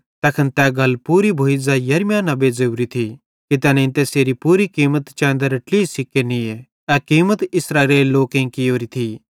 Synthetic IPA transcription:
t̪ɐkʰənt̪ɛɡɐlpuːɾibʱoːizajɐɾmjãːnɐbezɐuːɾit̪ʰi | kit̪ɛːnɛ̃ɪ̃nt̪eseːɾipuːɾikiːmət̪t͡ʃɛ̃ːnd̪əɾʈliːsɪkːenie | ɛkiːmət̪ɪsɾaːɾeːlːoːkẽĩkioːɾit̪ʰi

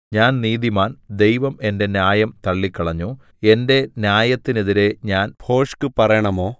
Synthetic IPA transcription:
ɲaːnniːd̪imaːnd̪e̞jʋɐme̞nde̞njaːjɐmt̪ɐɭːikːɐɭɐɲːo | e̞nde̞njaːjɐt̪ːineðiɾe̞ɲaːnbʰʱo̞ːʂkɨpɐrɐjɐɳɐmoː

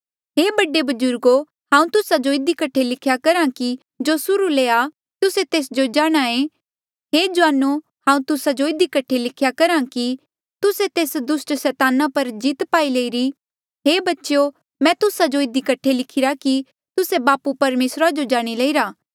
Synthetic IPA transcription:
ɦeːbɐɖebɐd͡ʒʊɾɡo | ɦãːũt̪ʊsad͡ʒoɪd̪ikɐʈʰelɪkʰjakɐɾãki | d͡ʒosʊɾuleːa | t̪ʊset̪eːsd͡ʒod͡ʒaːɽ̃aẽ | ɦeːd͡ʒʊʋaːnːu | hãːũt̪ʊsad͡ʒoɪd̪ikɐʈʰːelɪkʰjakɐɾãki | t̪ʊset̪eːsd̪ʊsʈsɛːt̪aːnãpɐɾd͡ʒit̪paːileːiɾi | ɦeːbɐtːʃjo | mɛ̃ːt̪ʊsad͡ʒoɪd̪ikɐʈʰːelɪkʰɪɾaki | t̪ʊsebaːpupɐɾmeːsɾad͡ʒod͡ʒaːɽ̃ilɐiɾaː

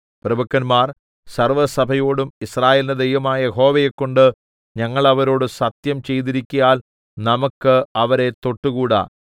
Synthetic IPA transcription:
prɐbɐkːɐnmaːr | sɐrʋɐsɐbʱɐjo̞ːɽumisraːjeːlɐnɐd̪ejʋɐmaːjɐjeɦo̞ːʋejekːo̞ɳɖɨ | ɲɐŋːɐɭɐʋɐɾo̞ːɽɨsɐt̪jɐmt͡ɕe̞jt̪̬iɾikʲːujaːl | nɐmɐkːɨɐʋɐɾe̞t̪o̞ʈːuɣuːɽa̰

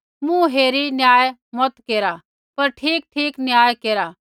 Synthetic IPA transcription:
mũɦeːɾinjaːemɔt̪keːɾa | pɐɾʈʰiːk̚ʈʰiːknjaːjekeːɾa

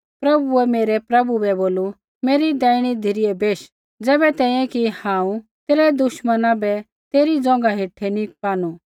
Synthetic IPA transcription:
pɾɐbuɛmeːɾɛpɾɐbubɛboːlu | meːɾid̪ɛːɪɽ̃id̪ʱɪɾɪɛbeːʃ | d͡zɛːbɛt̪ɛ̃ːĩɛ̃kihãːũt̪eːɾɛd̪ʊʃmənãbɛ | t̪eːɾid͡zɔ̃ːŋɡaɦeːʈʰɛnipaːnu

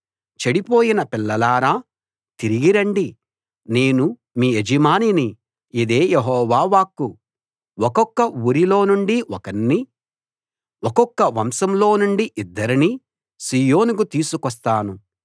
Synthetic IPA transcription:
t͡ʃeɽipo̞ːjinɐpilːɐlaːɾaː | t̪iɾiɡiɾɐɳɖi | ne̞ːnu | miːed͡ʒimaːnini | id̪e̞ːjeɦɔːʋaːʋaːkːu | wɔkɔkːɐuɾilo̞ːnuɳɖiʔɔkɐnːi | ɔkɔkːɐʋɐmsɐmlo̞ːnuɳɖiʔid̪ːɐɾini | siːjo̞ːnukut̪iːsukɔst̪aːnu

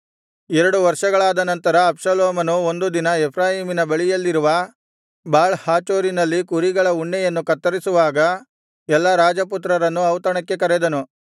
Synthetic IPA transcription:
ɛɾɐɽuʋɐɾʂɐɡɐɭaːd̪ɐnɐnt̪ɐɾɐːpʂɐloːmɐnuo̞nd̪ud̪inɐɛpʰɾaːɦiːminɐbɐɭijɐlːiɾuʋɐ | baːɭhaːt͡ʃoːɾinɐlːikuɾiɡɐɭɐuɳːɛjɐnːukɐt̪ːɐɾisuʋaːɡɐ | ɛlːɐɾaːd͡ʒɐput̪ɾɐɾɐnːuɐwt̪ɐɳɐkːe̞kɐɾɛd̪ɐnu

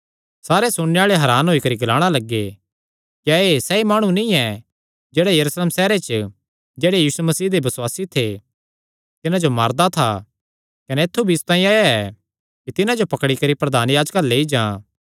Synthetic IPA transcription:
saːɾesʊɽneaːɭeɦɐɾaːnɦoikɐɾiɡɐlaːɽ̃alɐɡːe | kjaesɛimaːɽ̃ũnĩɛ | d͡ʒeːɽejɐɾusleːmsɛːɾet͡ʃə | d͡ʒeːɽejiːsumɐsiːɦd̪ebɐswaːsit̪ʰe | t̪ɪnãd͡ʒomaːɾd̪at̪ʰa̰ | kɐnɛet̪ʰːubʱiɪst̪ãːĩaːjaɛ | kit̪ɪnãd͡ʒopɐkɽikɐɾipɾɐd̪ʱaːnjaːd͡ʒkaleːid͡ʒãː

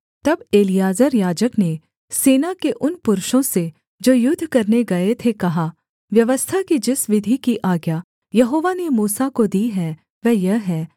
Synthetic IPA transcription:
t̪ɐbeːlijaːzəɾjaːd͡ʒəkne | seːnakeʔʊnpʊɾʊʃõse | d͡ʒoːjʊd̪ʱːkɐɾneɡɐet̪ʰekɐɦa | ʋjɐʋəst̪ʰakid͡ʒɪsʋɪd̪ʱikiʔaːɡja | jɐɦoːʋanemuːsakod̪iːɦɛ | ʋɛːjɐɦɛː

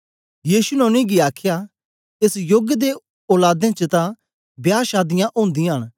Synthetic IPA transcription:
jiːsunɛʊ̃nĩɡiaːkʰja | esjoɡəd̪e | oːlaːd̪ẽt͡ʃət̪ã | bjaːʃaːd̪ɪjãʔõːnd̪ĩɦəɽ̃

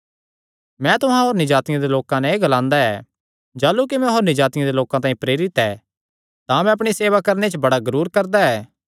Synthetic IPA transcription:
mɛ̃t̪ʊɦãɦoːɾnɪd͡ʒaːt̪ɪjãd̪eloːkãnɛeɡɐlãːnd̪aɛː | d͡ʒaːlːukimɛ̃ɦoːɾnɪd͡ʒaːt̪ɪjãd̪eloːkãt̪ãːĩpɾeːɾɪt̪ɛː | t̪ãɐmɛ̃ɐpɽ̃iseːʋakɐɾnet͡ʃbɐɽaɡɐɾuːɾkɐɾd̪aɛː

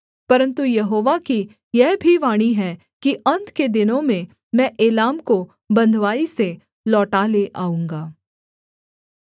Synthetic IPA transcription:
pɐɾə̃nt̪ujɐɦoːʋaki | jɛɦbʱiʋaːɽ̃iɦɛ | kiɐ̃nt̪ʰked̪ɪnõmẽ | mɛ̃ːʔeːlaːmko | bɐ̃nd̪ʱʋaːise | lɔːʈaːleʔaːũːŋɡaː

